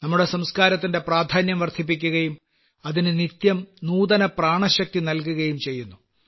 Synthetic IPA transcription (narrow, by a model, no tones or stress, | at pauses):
nɐmːuɽe̞sɐmskaːɾɐt̪ːinde̞praːd̪ʱaːnjɐmʋɐrt̪ʰip̬ːikʲːuɣɐjum | ɐðinɨnit̪jɐmnuːðɐnɐpraːɳɐɕɐk̚t̪inɐlkuɣɐjumt͡ɕe̞jːunːu